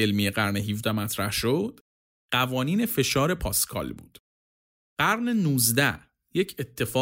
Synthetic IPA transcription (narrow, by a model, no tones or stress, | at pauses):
elmijeɣæɾneɦiːvd̪æmæt̪ʰɾæhʃod̪̥ | ɢ̥ævɒːniːne̞fe̞ʃɒːɾe̞pʰɒːskʰɒ̰ːlbṵːd̪̥ | ɢ̥æɾnenuːzd̪æ | jecʰe̞t̪ʰːe̞fɒː